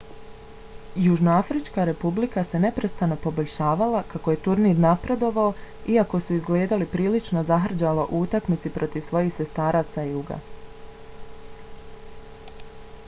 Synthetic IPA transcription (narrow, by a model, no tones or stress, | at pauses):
juʒnoafɾit͡ʃkaɾe̞publikase̞ne̞pɾe̞st̪ano̞po̞bo̞ʎʲʃaːʋalakako̞je̞t̪uɾniːd̪napɾe̞d̪o̞ʋaoiako̞suizɡle̞ːd̪alipɾiːlit͡ʃno̞zaɦr̩d͡ʑaloʔuut̪akmit̪sipɾo̞t̪iʋsʋo̞jiːxse̞st̪aːɾaːsajuɡa̰